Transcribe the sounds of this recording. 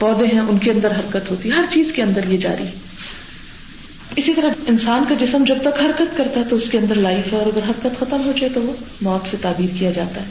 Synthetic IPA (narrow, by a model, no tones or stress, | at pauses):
pɔːd̪ẽɦɛ̃ʊnkeɐ̃nd̪əɾɦɐɾkət̪ɦoːt̪iɦɛɦɐɾt͡ʃiːzkeɐ̃nd̪əɾjed͡ʒa̰ːɾiɦɛ | ɪsit̪ɐɾaɪnsaːnkad͡ʒɪsəmd͡ʒɐb̚t̪ɐkɦɐɾkət̪kɐɾt̪aɦɛt̪oʊskeɐ̃nd̪əɾlaːɪfɔːɾɐɡəɾɦɐɾkət̪xɐt̪əmɦod͡ʒaːet̪oʋomɔːt̪set̪aːbiːɾkijad͡ʒa̰ːt̪aɦɛː